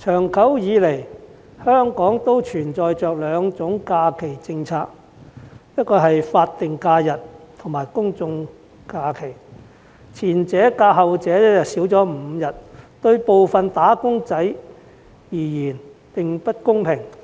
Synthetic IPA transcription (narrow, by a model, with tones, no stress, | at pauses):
t͡ʃʰœː˨˩ŋkʰɐ˨˥wjiː˨˧le˨˩j | hœː˥ŋkɔː˨˥ŋt̪o˥wt͡ʃʰyː˨˩nt͡sɔː˨jt͡ʃœː˨k̚lœː˨˧ŋt͡sʊ˨˥ŋkaː˧kʰe˨˩jt͡sɪ˧ŋt͡sʰaː˧k̚ | jɐ˥t̚kɔː˧ɦɐ˨jfaː˧t̚t̪ɪ˨ŋkaː˧jɐ˨t̚t̪ʰʊ˨˩ŋmaː˨˩jkʊ˥ŋt͡sʊ˧ŋ | kaː˧kʰe˨˩j | t͡sʰiː˨˩nt͡sɛː˨˥kaː˧ɦɐ˨wt͡sɛː˨˥ɐ˥jɐ˨tsiː˨˥wt͡sɔː˨˥m̩˨˧jɐ˨t̚t̪ɵ˧ɥpo˨wfɐ˨nt̪aː˨˥kʊ˥ŋt͡sɐ˨˥j | jiː˨˩jiː˨˩n | pɪ˨ŋpɐ˥t̚kʊ˥ŋpʰɪ˨˩ŋ